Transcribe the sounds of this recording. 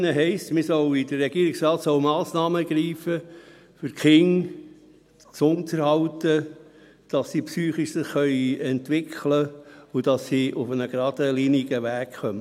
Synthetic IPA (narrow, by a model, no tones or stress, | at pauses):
nəɦɛɪstmɪsɔwidərːɛɡiːəɾiksrɑːtsɔʊmɑːsnɑːməɡ̥ɾiːfə | fʏɾkχɪŋ | t͡sʊnt̪əɾhɑwtə | d̥ɑsːipsyːχiʃsɪχːœʏiɛntʋɪkʰləʊd̥ɑsːiʔufənəɡɾɑd̥əliniɡəʋæːkχœmə